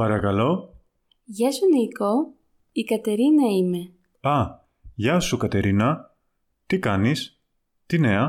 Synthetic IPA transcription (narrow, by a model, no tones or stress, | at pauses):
pɐɾɐkɐlo̞ | ʝɐsuniko | ikɐt̪e̞ɾinɐime̞ | ɐ | ʝɐsukɐt̪e̞ɾinɐ | t̪ikɐnis | t̪ine̞ɐ